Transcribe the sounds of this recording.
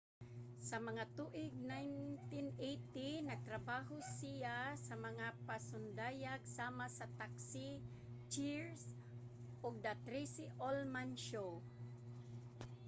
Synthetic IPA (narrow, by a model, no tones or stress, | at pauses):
sɐmɐŋat̪uʔɪɡ̚najnt̪ɪnʔejt̪inɐɡ̚t̪ɾɐbaːɦosijasɐmɐŋapasʊnd̪aːjaɡsaːmasɐt̪aksi | t͡ʃiɹs | ʔoɡ̚d̪at̪ɾisɪʔolmanʃo